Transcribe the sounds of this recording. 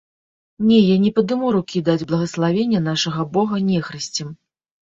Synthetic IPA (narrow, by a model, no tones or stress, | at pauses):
nʲɛjanʲɛpɐd̪ɨmuɾukʲid̪ad͡zʲblˠɐɣɐslˠavʲenʲːɐn̪aʂɐɣɐbɔɣɐnʲɛxɾɨsʲt͡sʲɛm